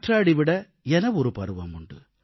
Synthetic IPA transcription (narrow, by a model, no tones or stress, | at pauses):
ʈraːɽiʋɪɽɐ | ɛnɐɔɾɯpɐɾɯʋɐmʊɳɖɯ